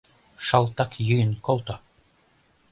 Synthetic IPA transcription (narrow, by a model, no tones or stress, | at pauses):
ʃɑlˠt̪ɑkjɯjə̆nkolˠt̪o